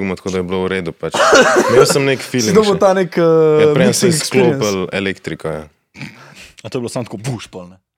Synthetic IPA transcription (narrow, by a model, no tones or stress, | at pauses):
ɡmɔt̪ɐ̥koːd̪ɐjɛblouɾed̪upat͡ʃmewsəmnekfild̪obot̪anekəɛɾensɛssklopɐlelekt̪ɾikɔja | at̪oːjblosamt̪kobuʃpɔlnɛ